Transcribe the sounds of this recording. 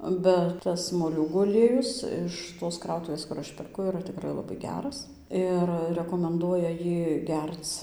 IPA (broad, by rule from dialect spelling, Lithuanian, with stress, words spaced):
bʲɛt ˈtɐs moːˈlʲuːɡuː ɐˈlʲiɛjʊs ɪʃ toːs ˈkrɐʊtʊʋʲeːs kʊr ˈɐʃ pʲɛrˈkʊ iːˈrɐ tʲɪkˈrɐɪ lˠɐbɐɪ ˈɡʲæːrɐs ˈɪr rʲɛkoːmʲɛnˈduɔjɛ ˈjiː ˈɡʲɛrt͡s